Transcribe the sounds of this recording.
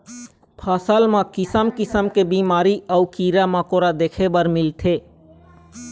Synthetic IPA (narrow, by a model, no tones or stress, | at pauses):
pʰaːsəlmãkɪsəmkɪsəmkebiːmaːɾiəukiːɾamãkoːɾad̪eːkʰebəɾmɪlt̪ʰeː